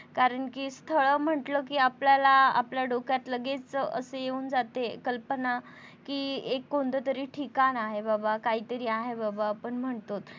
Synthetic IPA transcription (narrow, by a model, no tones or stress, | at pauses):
kaɾəɳkiːst̪ʰəɭəːm̤əʈləkiːapljalaa̰pljaɖokjat̪ləɡet͡sə̰sejeuːnd͡zat̪ekəlpəna | kiːekːond̪ət̪əɾiːʈʰikanaɦebabakaɦiːt̪əɾiːaɦebabaːpəɳm̤əɳt̪ot̪